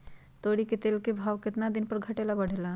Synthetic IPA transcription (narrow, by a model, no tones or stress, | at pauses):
t̪oɽiket̪elkebʱawket̪nad̪inpəɾɡʱəʈelabəɽ̤ela